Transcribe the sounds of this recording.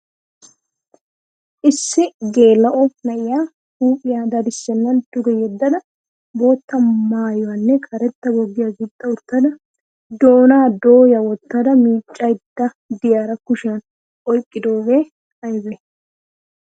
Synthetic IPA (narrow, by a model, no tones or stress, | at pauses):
ʔɪsːɪɡe̞ːlːɐʔɔnɐʔɪjaː | huːpʼːɪjaːd̪ɐd̪ɪsːɛnːɐnd̪ʊɡɛjɛd̪ːɐd̪ɐ | bo̞ːt̪ːɐmaːjɔwɐnːɛkʰɐɾɛt̪ːɐbɔɡːɪjaɡɪt̪ʼːɐʊt̪ːɐd̪ɐ | d̪o̞ːnaːd̪oːjɐwɔt̪ːɐd̪ɐmiːt͡ʃʼːɐjd̪ːɐ | d̪ɪjaːɾɐkʊʃɪjɐn | ʔɔjkʼːɪd̪o̞ːwe | ɐjbɛ